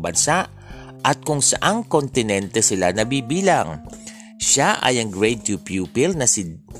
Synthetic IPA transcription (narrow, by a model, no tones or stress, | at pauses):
bɐnsaʔ | ʔɐt̪̚kʊŋsɐʔaŋkont̪ɪnɛnt̪ɛsɪlanɐbiːbiːlɐŋ | ʃaʔɐ̰jɐŋɡɹejt̪jupjuːpɪlnɐsɪ